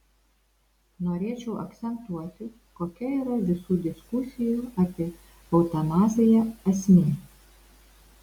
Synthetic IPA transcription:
noːɾʲeːt͡ʃʲɛʊɐ̰kt̪sʲɛnt̪uɔt̪ʲɪ | koːkʲɛiːɾɐʋʲɪsuːd̪ʲɪskʊsʲɪjuːɑːpʲiɛ | ɐʊt̪ɐnɑːzʲɪjɛɐsʲmʲiː

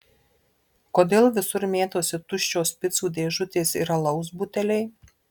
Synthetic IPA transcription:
koːd̪ʲeːlˠʋʲɪsʊɾmʲeːt̪oːsʲɪt̪ʊʃʲt͡ʃʲoːspʲɪt̪suːd̪ʲeːʒʊt̪ʲeːsiːɾɐlˠɐʊzbʊt̪ʲɛlʲɛɪ

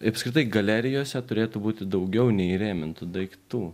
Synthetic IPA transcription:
ɐpskɾʲɪt̪ɐɪɡɐlʲæɾʲɪjoːsʲɛt̪ʊɾʲeːt̪ʊbuːt̪ʲɪd̪ɐʊɡʲɛʊnʲɛɪiɾʲeːmʲɪnt̪ʊd̪ɐɪkt̪uː

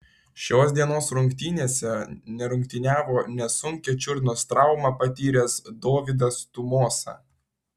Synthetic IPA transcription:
ʃʲoːsd̪ʲiɛnoːsɾʊŋʲkt̪ʲiːnʲeːsʲɛnʲɛɾʊŋʲkʲt̪ʲɪnʲæːʋoːnʲɛsʊŋʲkʲɛt͡ʃʲʊɾʲnost̪ɾɑˑʊmɑpɐt̪ʲiːɾʲesd̪oːʋʲɪd̪ɐst̪ʊmoːsɐ̰

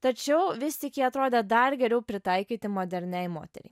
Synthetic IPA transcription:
t̪ɐt͡ʃʲɛʊʋʲɪsʲt̪ʲɪkʲiɐt̪ɾoːd̪ʲɛd̪ɐrɡʲɛɾʲɛʊpʲɾʲɪt̪ɐɪkʲiːt̪ʲɪmoːd̪ʲɛɾʲnʲɛɪmo̰ːt̪ʲɛ̰ɾʲɛ̰ɪ

